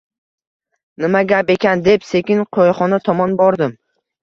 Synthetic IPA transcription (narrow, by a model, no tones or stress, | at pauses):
nɪmaɡʲape̞kʲand̪e̞pse̞kʲɪŋqʰojχɒnat̪ʰɒmɒnbɒɾd̪ɪm